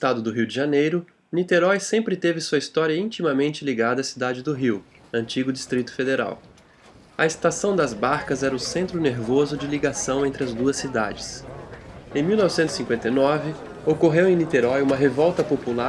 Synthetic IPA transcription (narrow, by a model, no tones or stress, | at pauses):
st̪ad̪ʊd̪ʊɦiwd͡ʒɪʒanejɾʊ | nit̪eɾɔjsẽmpɾɪt̪evɪsuɐist̪ɔɾiɐĩnt͡ʃimɐmẽnt͡ʃɪliɡad̪ɐːsid̪ad͡ʒɪd̪ʊɦiw | ɐ̃nt͡ʃiɡʊd͡ʒist̪ɾit̪ʊ̥fed̪eɾa̰w | ɐest̪asɐ̃w̃d̪ɐzbaɾkɐzɛɾɐʊsẽnt̪ɾʊneɾvozʊd͡ʒɪliɡasɐ̃w̃ẽnt̪ɾɪɐzd̪uɐsːid̪a̰d͡ʒɪs | ẽj̃miwnɔvɪsẽt̪ʊ̥sĩkwẽnt̪ɐjnɔvɪ | okoɦewẽj̃nit̪eɾɔjũmɐɦevɔwt̪ɐpopula